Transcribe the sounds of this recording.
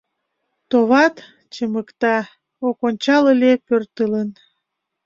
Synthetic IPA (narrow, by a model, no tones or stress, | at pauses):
t̪oβɑt̪ | t͡ɕəməkt̪ɑ | okonʲt͡ɕɑləlʲepørt̪ələn